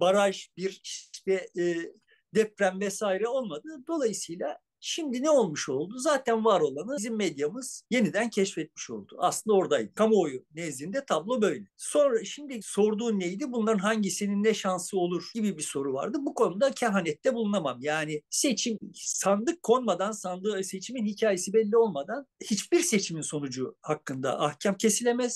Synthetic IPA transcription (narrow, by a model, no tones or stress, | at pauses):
baɾaʒbiɾiʃt̪ɛː | d̪ɛpɾæmvɛsaːiɾɛo̞lˠmad̪ɯd̪o̞lˠajɯsɯjlˠa | ʃimd̪inɛo̞lˠmuʃo̞lˠd̪uzaːt̪ʰænvaɾo̞lˠanɯzimːɛd̪jamɯz̥je̞nid̪æncʰɛʃfɛt̪̚mi̥ʃo̞̰lˠd̪̥ua̰slɯnd̪ao̞ɾd̪ajd̪ɯ̥kʰamoojunɛzlʲind̪ɛt̪ʰablˠo̞bø̞jlʲɛsonɾaʃimd̪iso̞ɾd̪uːnːejd̪ibunlˠaɾɯnɦaɲɟisininːɛʃansɯo̞lˠuɾ̥ɟibibiso̞ɾuva̰ɾd̪ɯbukʰo̞nud̪acʰaɦanɛt̪ːɛbulˠunamamjaːnɪset͡ʃʰimsand̪ˠɯkʰːo̞nmad̪ansand̪ˠɯse̞t͡ʃʰiminhicʰaːje̞sibɛlʲːio̞lˠmad̪anhit͡ʃbiɾse̞t͡ʃʰiminso̞nud͡ʒuhakːɯnd̪a̰ʔahcʰamcʰe̞silʲe̞mɛz̥